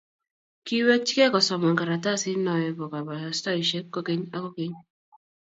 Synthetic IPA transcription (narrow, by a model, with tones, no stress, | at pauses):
ki˦we˦t͡ʃi˦ke˦kɔ˨sɔ˨mɔ˨ŋka˨ɾa˨ta˦sɪ˦nɔ˨ɛ˨bɔ˨ka˨ba˨stɔ˦ɾi˨ʃe˦kko˦ke˦ɲa˦ko˦ke˦ɲ